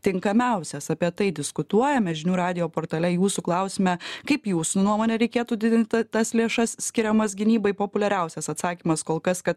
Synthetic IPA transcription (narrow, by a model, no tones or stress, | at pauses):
t̪ʲɪŋkɐmʲɛʊsʲɛsɐpʲiɛt̪ɐɪd̪ʲɪskʊt̪uɔjɛmʲɛʒʲɪnʲuːɾɑːd̪ʲɪjoːpoːɾt̪ɐːlʲɛjuːsuklˠɐʊsʲɪmʲɛkɐɪpjuːsunuɔmoːnʲɛɾʲɛɪkʲeːt̪uːd̪ʲɪd̪ʲɪnʲt̪ʲt̪ɐslʲeːʃɐssʲkʲɪɾʲɛmɐsɡʲɪnʲiːbɐɪpoːpʊlʲɛɾʲɛʊsʲɛsɐt̪sɑːkʲiːmɐskoːlˠkɐskɐt̪